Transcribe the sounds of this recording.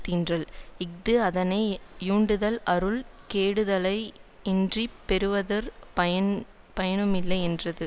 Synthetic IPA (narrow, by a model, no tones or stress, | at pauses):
t̪ːindrɐɭɪk̚d̪ɯɐðɐnɐɪjuːɳɖɯðɐlɐɾɯlkeːɽɯðɐlɐɪ | ɪndripːɛɾɯʋɐðɐɾɐɐn | pɐjɐnɯmɪlːɐɪɛndrɐðɯ